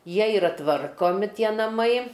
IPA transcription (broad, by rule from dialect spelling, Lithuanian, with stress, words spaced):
ˈjiɛ ɪˈrɐ ˈtʋɐrkoːmʲɪ ˈtʲiɛ nɐˈmɐɪ